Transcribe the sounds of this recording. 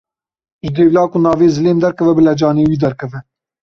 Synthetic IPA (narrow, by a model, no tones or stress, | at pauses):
ʒɨd̪eːvlɑːkunɑːveːzɨleːmd̪ɛɾkɛvɛbɨlɛd͡ʒɑːneːwiːd̪ɛɾkʰɛvɛ